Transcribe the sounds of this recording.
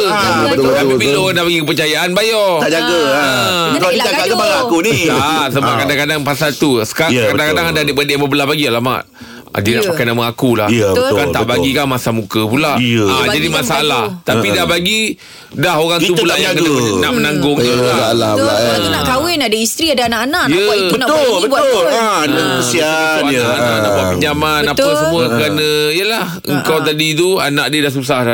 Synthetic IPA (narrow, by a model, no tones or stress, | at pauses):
bət̪t̪apipiooɣadahbaɡikəp̬ərt͡ʃajaʔanbajɔad͡ʒaɡə | aaɡaaakuniasəbaʔkadakadaŋpasalt̪usə̥kaɾakadaŋkadaŋadadəbədeʔməbəlahbaɡialama̰ʔ | a̰dənaʔpakajnamaakulahkaant̪aʔbaɡikanmasamũkəpulaʔad͡ʒadimasaːlaht̪apidahbaɡi | daɦoɣaŋt̪upulaʔjakəəknaʔmənaŋɡʊŋəlalalainaʔk̪awɪnadaist̪ɾiadaanaʔanaʔnjə | bənat̪bəbuaolaadəusiaaaaaʔabaəɲamanapasəmuakəɾanə̃ijəlah | ə̰ŋkawt̪̬adit̪̬uanaʔdiədahs̬us̬aha